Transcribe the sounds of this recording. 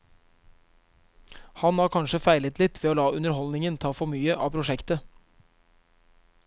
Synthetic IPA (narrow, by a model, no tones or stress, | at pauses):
hɑnhɑːkʰɑnʂəfæɪlət̪lɪt̪ːʋeːoːlɑːʉnəɾhɔlnɪŋənt̪ʰɑːfɔɾmyːəʔɑ̰ːpʰɾʊʂɛkt̪ə